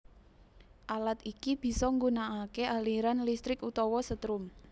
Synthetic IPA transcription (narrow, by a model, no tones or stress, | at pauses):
ʔalat̪ikib̥i̤sɔŋɡunaakeʔaliɾanlist̪ɾɪkut̪ɔwɔsət̪ɾʊm